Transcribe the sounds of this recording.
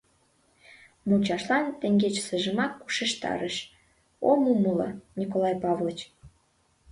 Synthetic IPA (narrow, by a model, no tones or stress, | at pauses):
mut͡ɕɑʃlɑnt̪eŋɡet͡ɕsəʒəmɑkːu̥ʃeʃt̪ɑ̰ɾəʃ | omuməlɤ̰̆nʲikolˠɑjpɑvlət͡ɕ